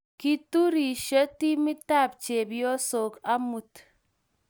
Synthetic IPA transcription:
ki˨tu˦ɾi˨ʃə˦ti˦mi˦ta˦˨p̚t͡ʃe˨bjɔ˦so˨ka˦mu˨t

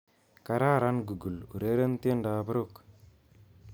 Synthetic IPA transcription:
ka˨ɾa˦˨ɾa˦nɡu˨ɡu˨lṵ˨ɾe˦ɾe˦n˦t̪nda˨bə˦ɾo˦˨k

